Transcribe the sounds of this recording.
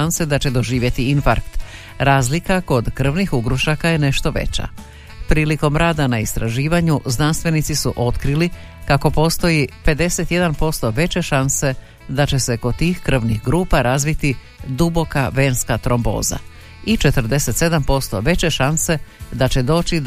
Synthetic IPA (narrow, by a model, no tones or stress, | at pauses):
anse̞d̪at͡ɕe̞d̪o̞ʒiːʋje̞t̪iinfa̰ɾkt̪ | ɾaːzlikako̞d̪kr̩ʋnixuɡɾuʃakaje̞ne̞ʃt̪o̞ʋe̞̰t͡ɕa̰ | pɾiːliko̞mɾaːd̪anaist̪ɾaʒiːʋaɲuznanst̪ʋe̞nit̪sisuʔo̞t̪kɾili | kako̞po̞ːst̪o̞jipe̞d̪e̞se̞t̪je̞d̪anpo̞st̪o̞ʋe̞t͡ɕe̞ʃanse̞ | d̪at͡ɕe̞se̞ko̞d̪̚t̪iːxkr̩ʋnixɡɾuːpaɾʔazʋit̪i | d̪ubo̞kaʋe̞ːnskat̪ɾo̞mbo̞̰ːza̰ | it͡ʃe̞t̪r̩d̪e̞se̞t̪sed̪ampo̞st̪o̞ʋe̞t͡ɕe̞ʃanse̞d̪at͡ɕe̞d̪o̞ːt͡ɕi